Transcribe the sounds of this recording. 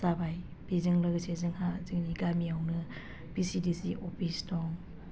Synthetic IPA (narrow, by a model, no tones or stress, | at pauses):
sabaj | bezɯŋlɯɡsezɯŋhazɯŋniɡamiawnɯ | pisidisiʔɔpʰistɔŋ